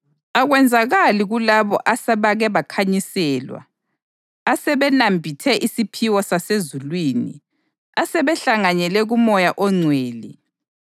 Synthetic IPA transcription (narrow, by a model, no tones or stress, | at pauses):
aɣwɛnd͡zʱaɣaliɣulaβɔ̰ʔasɛβaɣɛβakʰaɲisɛːlwa̰ː | sɛβɛnambʱitʰɛʔisipʰiwɔsasezulwiːnḭ | asɛβɛɬaŋanɛlɛɣumɔjaʔɔŋ͡ǀʱweːlḭ